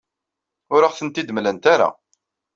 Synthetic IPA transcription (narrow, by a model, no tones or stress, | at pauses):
ʊɾəχθənt̪id̪əmlənt̪aɾa̰